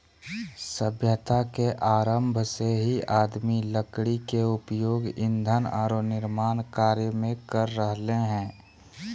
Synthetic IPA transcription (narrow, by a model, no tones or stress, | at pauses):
səbʱjət̪akeʔaːɾəmbʱseɦiʔaːd̪miləkɽikeʊpjoːɡɪ̰̃nd̪ʱəna̰ːɾonɪɾmaːnkaːɾjəmẽkəɾːəɦleɦɛ̃ː